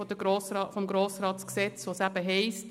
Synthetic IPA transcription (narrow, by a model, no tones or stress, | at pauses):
ɔd̥̪əɡɾoːsɑfɔmɡɾoːsɾɑːtt͡sksɛt͡svoːsæb̥əɦɛɪst